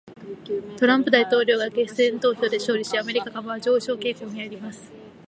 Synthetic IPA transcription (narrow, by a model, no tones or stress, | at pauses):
t̪o̞ɾãmpɯ̟d̪ait̪o̞ːɾʲoːɡake̞sẽnt̪o̞ːçʲo̞ːd̪e̞ɕo̞ːɾʲiɕiame̞ɾʲikakamaβaʑo̞ːɕo̞ːke̞ːkoːɲ̟iaɾʲimasɨ̥